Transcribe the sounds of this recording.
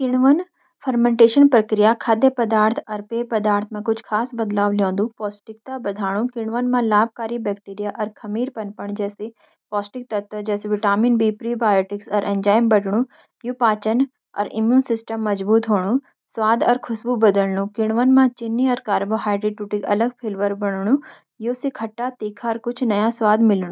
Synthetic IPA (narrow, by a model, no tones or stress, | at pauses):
kɪɽ̃ʋən | fʰɐɾmẽɳʈeːʃənpɾɐkɾijakʰaːd̪əpɐd̪aːɾt̪ʰɐɾpeːpɐd̪aːɾt̪ʰmãkʊd͡ʒʰʱkʰaːsbɐd̪laːʋljõːnd̪ũpɔːsʈɪk̚t̪abɐd̪ʱaːɽ̃ũkɪɽ̃ʋənmãlaːb̚kaːɾibɛːkʈiːɾijaʔɐɾkʰɐmiːɾpɐnpɐɳ̃d͡ʒɛːsi | pɔːsʈɪk̚t̪ɐt̪ʰɐd͡ʒɛːsiʋɪʈaːmiːnbiːpɾibaːjoːʈɪksɐɾʔɛ̃ɲd͡ʒaːɪmbɐɖʱɽ̃ũ | juːpaːt͡ʃən | ɐ̰ɾɪ̰mjuːnsɪsʈəmːɐd͡ʒbuːt̪ɦoːɽ̃ũ | sʋaːd̪ɐɾkʰʊsbubɐd̪əlnũkɪɽ̃ʋən̆mãt͡ʃɪnːiɐɾkaːɾboɦaːɪɖɾiʈuːʈɪkɐ̰ləɡpʰɪlʋəɾbɐɽ̃ɽ̃ũ | joːsikʰɐʈːat̪eːkʰaɐɾkʊd͡ʒʱʰnɐjasʋaːd̪mɪlɽ̃ũ